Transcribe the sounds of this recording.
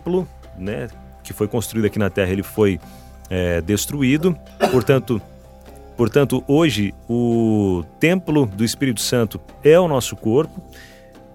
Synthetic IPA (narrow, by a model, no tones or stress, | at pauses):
plʊ | nɛ | kɪfojkõst̪ɾuid̪ʊɐkinɐt̪ɛɦɐelɪfoj | ɛd̪est̪ɾuid̪ʊ | poɾt̪ɐ̃t̪ʊ | poɾt̪ɐ̃nt̪ʊʔoʒɪʊ | t̪ẽplʊd̪ʊɪspiɾit̪ʊ̥sɐ̃nt̪ʊ | ɛʊnɔsʊkoɾpʊ